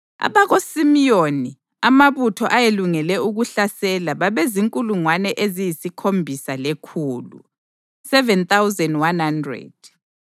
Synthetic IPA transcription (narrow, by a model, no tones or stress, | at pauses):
a̰βaɣosimijoni | amaβutʰɔʔajeluŋɛlɛuɣuɬasɛlaβaβɛziŋkʼuluŋwanɛʔezijisikʰombʱisalekʰuːlṵ | sɛvɛnt̪awzɛndwanhandrɛ̰d̥̚